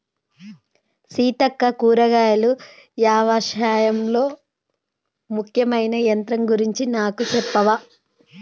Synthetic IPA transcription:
siːt̪ɐkːɐkuːɾɐɡaːjɐlu | jaːʋaːʃaːjɐmlo̞ː | mukʰjɐmɐjnɐjɐnt̪ɾɐmɡuɾiɲt͡ʃinaːkut͡ʃɛpːɐʋaː

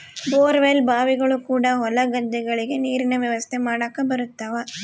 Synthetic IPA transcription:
boːɾʋelbaːʋiɡɐɭukuːɽɐɦɔlɐɡɐd̪ːɛɡɐɭiɡe̞niːɾinɐʋjɐʋɐst̪ʰemaːɽaːkːɐbɐɾut̪ːɐːʋɐ

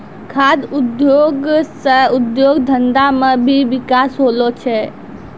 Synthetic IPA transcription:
kʰaːd̪ʊd̪joːɡsəʊd̪joːɡd̪ʱənd̪amə̃bʱiʋɪkaːsɦoːlot͡ʃʰe

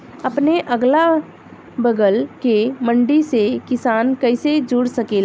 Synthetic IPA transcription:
əpneʔəɡla | bəɡəlkemə̃ɳɖisekɪsaːnkəɪsed͡ʒʊːɽsəkeːl

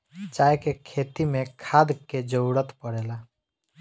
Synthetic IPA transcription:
t͡ʃajkekʰet̪imekʰad̪ked͡ʒəwɽət̪pəɽela

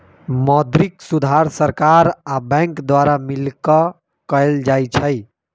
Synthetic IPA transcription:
mɔd̪ɾiksud̪ʱaɾsəɾkaɾabɛ̃ŋkd̪waɾamilkɔ | kəɪld͡ʒajt͡ʃʰəj

